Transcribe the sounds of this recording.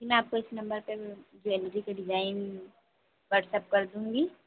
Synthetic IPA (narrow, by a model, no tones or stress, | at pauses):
kimɛ̃aːp̚koɪsnɐ̃mbəɾpeɾd͡ʒoɛld͡ʒikeɖɪd͡ʒaːɪn | ʋɐɾʈsɐp̚kɐɾd̪ũːŋɡi